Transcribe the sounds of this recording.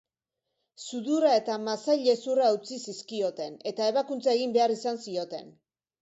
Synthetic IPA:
suðuɾae̞t̪amasajʎe̞suraut͡sisiskio̞t̪e̞ne̞t̪ae̞βakunt͡sae̞ɣ̞imbe̞aɾisansio̞t̪e̞̰n

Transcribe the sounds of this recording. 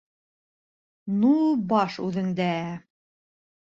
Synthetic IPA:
nubɑʃʉðɘ̆ŋd̪ææ

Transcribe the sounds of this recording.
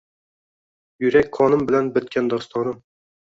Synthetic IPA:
jyɾɛkʲqʰɑnɨmbɪlænbɘt̪̚kʲʰɛnd̪ɒst̪ɑnɨm

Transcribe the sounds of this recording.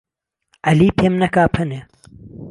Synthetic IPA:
ʔaliːpʰeːmnɐkaːpʰɐne

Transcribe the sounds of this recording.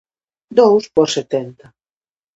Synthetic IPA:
d̪owspɔɾset̪ɛnt̪a

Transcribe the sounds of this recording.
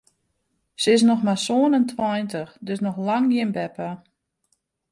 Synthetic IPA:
sɪs̬nɔxmasoənəntʰwajntəxdøsnɔxlaŋɡjɪənbɛpa

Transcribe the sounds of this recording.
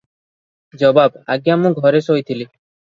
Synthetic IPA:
d͡ʒɔbaba̰ɡiamũɡʱɔɾesojt̪ʰili

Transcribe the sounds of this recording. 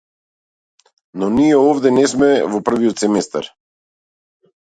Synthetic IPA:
nɔnijɛɔvd̪ɛnɛsmɛvɔpr̩viɔt̪sɛmɛst̪a̰ɾ

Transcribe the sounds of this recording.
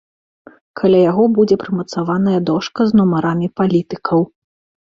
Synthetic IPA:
kʰalʲajaɣɔbud͡zʲɛpɾɨmɐt̪savanɐjɐd̪ɔʂkɐznɔmaɾamʲipalʲit̪ɨkʰɐw

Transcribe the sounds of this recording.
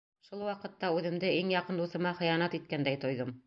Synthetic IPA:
ʃulˠwɑqɤ̆t̪ːɑʉðɘ̆md̪ɘiŋjɑqɤ̆nd̪uθɤ̆mɑχɤ̆jɑnɑt̪it̪̚kænd̪æjt̪ŏjðɤm

